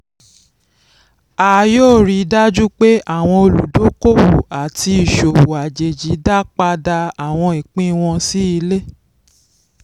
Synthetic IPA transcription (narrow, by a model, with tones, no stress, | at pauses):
aː˨joː˦˨ɾi˧˦da˦d͡ʒu˦k͡pe˦ʔa˦˨w̃ɔ̃˧o˧lu˨do˨˦ko˦wu˨a˨ti˧i˨ʃo˨wu˨a˨d͡ʒe˨d͡ʒi˨˦da˦k͡pa˧da˧a˨w̃ɔ̃˧i˨k͡pĩ˦w̃ɔ̃˧si˦i˧le˦